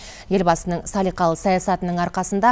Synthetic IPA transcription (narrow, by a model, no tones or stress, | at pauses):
je̞lbɑsənəɴsɑlˠijqɑlˠəsɑjɑsɑt̪ənəɴɑɾqɑsənd̪ɑ